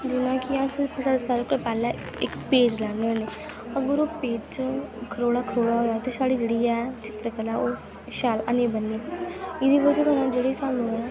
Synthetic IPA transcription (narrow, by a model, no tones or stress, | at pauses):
d͡ʒɪnãːkɪãspssaːɾʊkepɛːlã | ɪkpeːd͡ʒlɛːɳõːneː | əɡəɾoːpeːd͡ʒkʰəɾoːɽaːkʰəɾoːɽaːɦoːjaːt̪eːsaːɽiːd͡ʒeːɽiːɛːt͡ʃɪt̪ɾəkəlɛːos | ʃaːlə̰nẽːbənːeːɪd̪iːbəd͡ʒeːkəɾãd͡ʒeːɽeːsaːnũːɛː